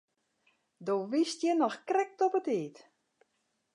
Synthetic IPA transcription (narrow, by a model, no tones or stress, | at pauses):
doːʋistjɛnɔxkrɛk̚tɔpətiːt